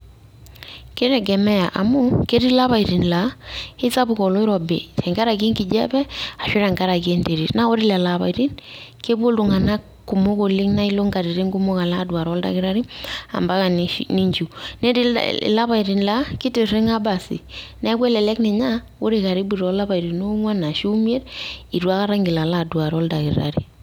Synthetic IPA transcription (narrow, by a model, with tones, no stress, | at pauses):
ke˦ɾɛ˨ɡɛ˨mɛ˦ja˨ʔa˨mu˦ke˦ɾi˦la˦βa˨i˨ɾi˨nla˨˦ɪ˦sa˦bu˨kɔ˨lo˦ɪ˦ɾɔ˨bḛ˨t͡ʃɛ˨ŋɡa˦ɾa˨ɡe˦ŋki˨d͡ʒɛ̰˦bɛ˦a˨ʃi˦ɾa˨ŋɡa˦ɾa˨ke˦nde˨ɾi˨na˦wo˦ɾi˦la˨la˨βa̰˨i˨ɾi˦nke˦bo˦ldu˨ŋa˨na˦ | kːu˨mo˦ko˨li˦ŋna˦i˦lo˦ŋɡa˨ɾi˨ɾi˦ŋɡu˦mo˦ka˨la˦˨dwa˨ɾɔ˦lda̰˨kɪ˦ɾa˦ɾi˦a̰˨mba˦ka˨ni˨ʃni˦ɲd͡ʒu˨nɛ˦di˦l̰la˦pa˨i˨ɾi˨nla˦kɪ˦te˨re˦ŋa˦ba˨sḭ˨na˨˦kwe˦lɛ˨lɛ˦knɛ˨ɲa˦ | wo˦ɾe˨ka˨ɾi˦bi˨ɾɔ˨˦la˦ba˨i˨ɾi˨no˦ŋwa˦na˨ʃu˦m˦e˦di˨twa˦ka˦ɾa˦ŋɡɪ˨la˨la˦˨dwa˨ɾɔ˦lda˨kḭ˨ɾa̰˨ɾi˨